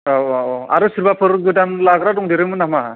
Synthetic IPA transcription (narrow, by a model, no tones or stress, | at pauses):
aɔa̰ɾɯsɯɾbapʰɯɾɡɯdanlaɡɾadɔŋdeɾɯmɯnama